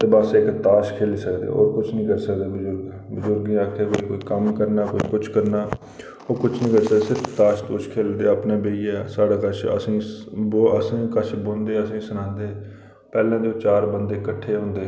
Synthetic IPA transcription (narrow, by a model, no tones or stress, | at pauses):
t̪eːbəsɪkt̪aːʃkʰeːliːsəkd̪ḛːo̰ːɾkʊt͡ʃʰnĩːkəɾsəkd̪eːbʊzʊɾɡ | bʊzʊɾɡãːəkʰeːkoːiːkoːiːkəmkəɾnaːkoːḭːkʊt͡ʃʰkəɾnaː | oːkʊt͡ʃʰnĩːkəɾsəkd̪eːsɪɾft̪aːʃt̪oːt͡ʃkʰeːld̪eːəpnẽːbeːiɛːsaːɽaːkət͡ʃʰə̰sĩːboəsĩːkət͡ʃʰbõːnd̪eːəsĩːsənãːnd̪eː | pɛːlãːd̪eoːt͡ʃaːɾbənd̪eːkəʈʰːeːɦõːnd̪eː